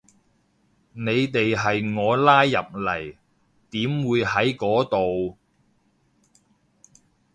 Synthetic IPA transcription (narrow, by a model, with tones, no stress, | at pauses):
ne˨˧jt̪e˨jɦɐ˨jŋɔː˨˧laː˥jːɐ̰˨p̚lɐ̰˨˩j | t̪iː˨˥mwuː˨˧jhɐ˨˥jkɔː˨˥t̪o˨w